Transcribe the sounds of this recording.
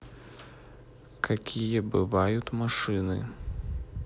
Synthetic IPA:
kʰakʲijɐbɨvajut̪maʂɨnɨ̰

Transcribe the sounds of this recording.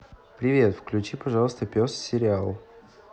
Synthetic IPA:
pɾʲɪvʲe̞t̪fklʲʉt͡ɕipɐʐalˠəst̪əpʲossʲɪɾʲɪalˠ

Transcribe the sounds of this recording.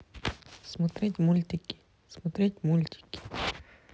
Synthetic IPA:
smot̪ɾet̪ʲmulʲt̪ʲikʲːi̥ | smot̪ɾʲet̪ʲmulʲt̪ʲi̥kʲːi̥

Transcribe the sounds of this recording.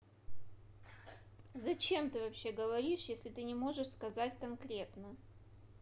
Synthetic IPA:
zɐt͡ɕe̞mt̪ɨvɐpɕːe̞ɡəvɐɾʲiʂjesʲlʲɪt̪ɨnʲɪmo̞ʐɨʂskɐzatʲkɐnkɾʲe̞t̪nə

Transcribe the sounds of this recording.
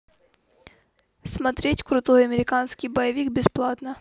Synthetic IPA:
smɐt̪ɾʲetʲkɾʊt̪ɔjɐmʲɪɾʲɪkansʲkʲijbɐjɐʋʲikbʲɪsplˠat̪nɐ

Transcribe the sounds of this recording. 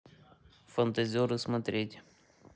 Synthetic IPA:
fɐnt̪ɐzʲɪoɾɨsmɐt̪ɾʲetʲ

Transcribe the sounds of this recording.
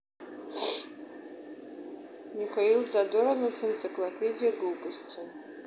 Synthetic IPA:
miχailzadoɾanut͡sʰɨnt͡sʼikʼlapʰedijaɡɨlpʼɨst͡sʰɨn

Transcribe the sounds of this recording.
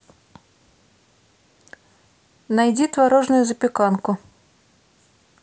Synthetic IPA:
najd͡zʲit̪vaɾɔʐnʊjʊzɐpʲɪkankʊ

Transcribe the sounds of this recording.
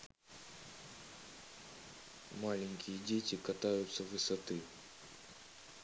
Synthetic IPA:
malʲɪŋʲkʲɪjədʲetʲɪkɐt̪ajʊt̪səvɨsɐt̪ɨ

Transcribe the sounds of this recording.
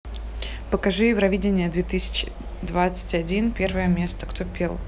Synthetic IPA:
pəkɐʐɨjɪvɾɐvʲidʲɪnʲɪjəd̪vʲet̪ɨsʲɪ̥t͡ɕɪ | d̪vat̪sɨ̥tʲɐdʲinpʲe̞rvəjəmʲe̞st̪ə̥kt̪opʲelˠ

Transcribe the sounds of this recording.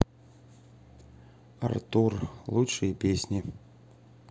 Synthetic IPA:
ɐ̰rt̪urlˠut͡ʂɨjɛpʲesʲnʲi

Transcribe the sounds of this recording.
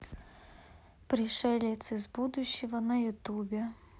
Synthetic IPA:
pɾɪʂɛlʲɛt̪sʲɨzbud̪ʊɕːiɦɐnɐjʊt̪ubʲɛ

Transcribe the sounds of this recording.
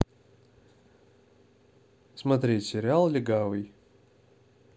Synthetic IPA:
smɐt̪ɾʲetʲsʲɪɾʲɪalˠlʲɪɡavɨj

